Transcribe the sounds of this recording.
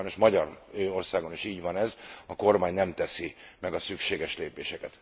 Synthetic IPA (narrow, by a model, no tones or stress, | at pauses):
jnoʃmɒɟɒrøːo̞rsaːɡo̞niʃiːɟvɒnɛzɒko̞rmaːɲnɛmt̪ɛsimɛɡɒsykʃeːɡɛʃleːpeːʃɛkɛt̪